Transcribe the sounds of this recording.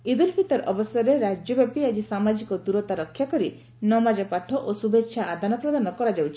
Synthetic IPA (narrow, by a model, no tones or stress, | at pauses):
id̪uɾpit̪ɔɾɔbɔsɔɾeɾad͡ʒjɔbapiad͡ʒisamad͡ʒikɔd̪uɾɔt̪aɾɔkʰːjakɔɾi | nɔmad͡ʒɔpaʈʰɔʔosubetːʃʰaad̪ʱanɔpɾɔd̪anɔkɔɾad͡ʒawt͡ʃʰi̥